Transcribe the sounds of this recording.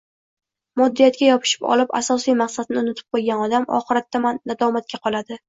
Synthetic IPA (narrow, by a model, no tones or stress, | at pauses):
mɒd̪ːijat̪̚kʲajɒpʰɪ̥ʃɪ̥pɒ̰lɪpa̰sɒsijmaqsad̪nɪʊnɪt̪ʰɪ̥p̚qojɡʲanɒd̪amɒ̰χɨɾat̪ʰːamanːad̪ɒmat̪̚kʲaqʰɒlˠad̪ɪ